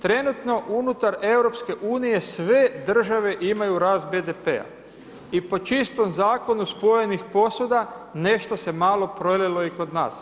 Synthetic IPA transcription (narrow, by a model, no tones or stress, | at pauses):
t̪ɾe̞nut̪no̞ʔunut̪aɾe̞wɾo̞pske̞ʔuːnije̞sʋe̞d̪r̩ʒaʋe̞ʔimajuɾaːzbed̪epe̞̰a̰ | ipo̞t͡ʃist̪o̞mzaːko̞nuspo̞jenixpo̞sud̪ane̞ʃt̪o̞se̞maːlˠo̞pɾolelo̞iko̞d̪na̰ːs